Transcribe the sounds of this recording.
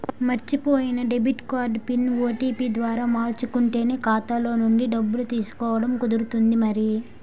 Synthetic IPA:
mɐɾt͡ʃipoːjinɐɖe̞bʱiʈkaːɾɖpinoːʈiːpiːd̪ʋaːɾaːmaːɾt͡ʃukuɳʈe̞ːne̞ːkaːt̪alo̞ːnuɳɖiɖɐbːulut̪iːsu̥kɔːʋɐɽɐmkud̪uɾut̪und̪imɐɾi

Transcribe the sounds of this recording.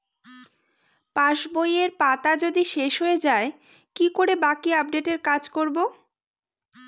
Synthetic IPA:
paʃbojeɾpat̪ad͡ʑod̪iʃeʃɦoed͡ʑae | kikoɾebakiap̚ɖeʈeɾkad͡ʑkoɾbo

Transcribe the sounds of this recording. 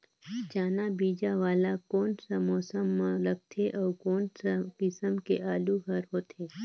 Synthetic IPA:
d͡ʒaːnabiːd͡ʒaʋaːlakoːnsamɔːsəmːãləɡ̚t̪ʰeʔɔːkoːnsakɪsəmkeʔaːluɦəɾɦoːt̪ʰeː

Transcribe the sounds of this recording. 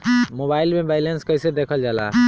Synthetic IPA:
moːbaːɪlmẽbaːɪlenskəɪsed̪eːkʰəld͡ʒaːla̰ː

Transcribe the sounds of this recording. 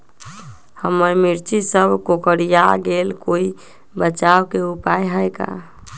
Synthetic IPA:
həməɾmiɾt͡ʃisəbʱkokəɾijaɡelkoi | bət͡ʃawkeupajɦəjka̰

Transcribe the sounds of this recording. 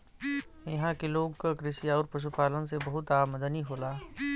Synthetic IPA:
jɐɦãkiloːɡkakɾɪʃiaɔːɾpɐʃ̬upaːlənsebɐɦʊt̪aːməd̪əniɦoːlaː

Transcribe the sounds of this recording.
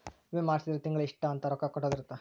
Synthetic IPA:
ʋemaːɾsid̪ɐɾɐt̪iŋɡɐɭiʂʈːɐɐnt̪ɐɾɔkakɔʈːoːd̪iɾut̪ːa

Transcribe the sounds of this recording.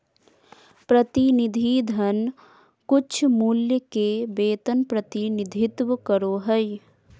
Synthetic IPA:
pɾət̪inɪd̪ʱid̪ʱən | kʊt͡ʃʰmuːljəkebeːt̪ənpɾət̪inɪd̪ʱɪt̪wəkəɾoːɦəj

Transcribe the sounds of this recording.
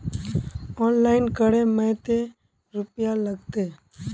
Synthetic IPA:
ɔːnlaːɪnkəɽeməɦt̪e | ɾʊpjaləɡt̪e

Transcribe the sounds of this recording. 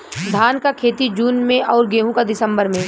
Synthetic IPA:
d̪ʱaːnkakʰeːt̪id͡ʒuːnmẽʔɔːɾɡeːɦũkad̪ɪsə̃mbəɾmẽ

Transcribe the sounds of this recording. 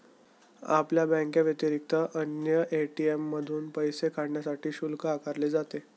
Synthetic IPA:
a̰pljabə̃ŋkjaʋjət̪iɾik̚t̪əʔənjəʔeʈiemːəd̪ʱuːnpəjsekʰaɽɳjasaʈiːɕulkaakaɾled͡zat̪e

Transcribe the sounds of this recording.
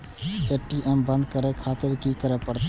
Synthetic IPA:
eʈiʔembə̃nd̪kəɾekʰaːt̪ɪɾkikəɾɛpəɾt̪

